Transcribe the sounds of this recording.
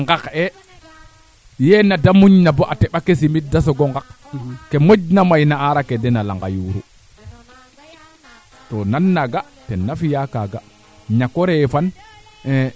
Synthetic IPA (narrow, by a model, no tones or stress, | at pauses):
ŋɡakɛ | jɛnadamuɲnabɔʔatɛɓakesimit̚dasɔɡɔŋɡak | kɛmod͡ʒnamajnaaɾakɛdɛnala̰ŋɡa̰juɾṵ | tɔnanːaɡa | tɛnːafijakaɡa | ɲakɔɾɛfanɛ